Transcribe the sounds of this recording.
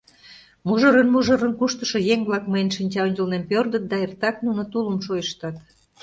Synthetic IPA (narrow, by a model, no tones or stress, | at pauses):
muʒəɾənmuʒə̆ɾənkuʃt̪ə̥ʃojeŋβlɑkməjənʃinʲt͡ɕɑonʲd͡ʑəlnempørd̪ə̆t̪̚d̪ɑert̪ɑknunot̪uləmʃojəʃt̪ɑt̪